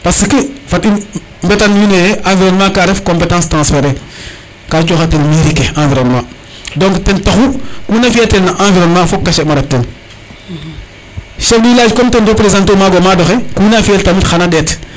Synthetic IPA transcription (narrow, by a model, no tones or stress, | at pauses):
paskəfati | mbetanjinejeʔãːviɾonmãkaɾɛfkõmpetãːstɾãːsfeɾe | kat͡ʃoxatenmiɾikeãːviɾonmã | dɔ̃ŋktentaxukuːnafieltenaʔãːviɾonmãfokːaʃɛmaɾatːen | ʃɛldilaːd͡ʒkɔmtendopɾezãntomaɡomadoxekunafiɛltamitxanaɗɛt